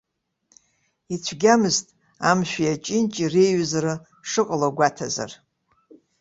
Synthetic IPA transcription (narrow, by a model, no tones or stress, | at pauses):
it͡ɕʷʰɡʲamɨztʼ | amʃᶣijat͡ʃʼɪnt͡ʃʼirejɥzarɨ | ʂɨqʼaloɡʷatʰaza̰r